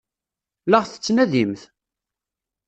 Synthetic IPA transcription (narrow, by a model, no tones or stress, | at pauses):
ləʁθə̥t͡sːnæðimθ